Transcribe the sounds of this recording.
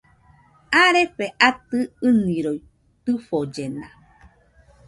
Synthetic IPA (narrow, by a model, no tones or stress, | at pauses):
aɾepeʔat̪ɨɨnĩɾoi | t̪ɨfod͡ʒena